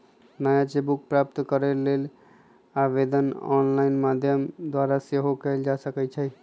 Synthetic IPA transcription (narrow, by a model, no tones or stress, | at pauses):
nəjat͡ʃebuk̚pɾap̚t̪kəɾelel | aʋed̪ənɔ̰nlainmad̪ʱjəmd̪waɾaseɦokəɪld͡ʒasəkɛt͡ʃʰɛ